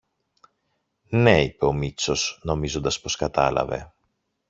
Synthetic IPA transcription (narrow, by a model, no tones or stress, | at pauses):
ne̞ipeo̞mit͡so̞sno̞mizo̞nd̪ɐspo̞skɐt̪ɐlɐ̰ve̞̰